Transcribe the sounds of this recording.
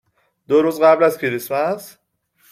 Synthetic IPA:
d̪oɾuːzɢæblæzcʰeɾismæs

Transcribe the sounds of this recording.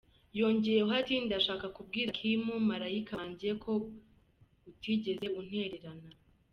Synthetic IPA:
jo̞ɲɟejeoatinidaʃaːkakubɡiːɾakʰimumaɾaikʰaɲɟiɾe̞kʰo̞ | utiɟe̞ze̞un̥e̞ɾe̞ɾana

